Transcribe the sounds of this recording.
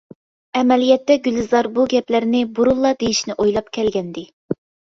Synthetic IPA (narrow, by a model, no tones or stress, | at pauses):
ɛmɛlijɛt̪ːɛɡʲylɨzɑɾbuɡʲɛplæɾnɪbuɾulˠːɑd̪ejiʃnɪʔojlˠɑp̚kʲʰɛlɡʲɛnd̪ɪ